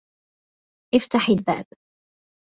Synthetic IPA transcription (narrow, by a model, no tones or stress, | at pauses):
ʔɪft̪aħɪlba̰ːb